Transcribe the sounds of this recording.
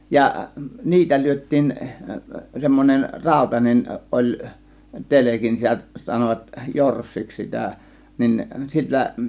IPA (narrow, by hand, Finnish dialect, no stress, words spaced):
jɑ niːtæ lyøtˑiːn semːonʲen rɑˑo̝tɑnen olʲ telekin sitæ sɑnoʋɑt jorsːiks sitæˑ nin silːæ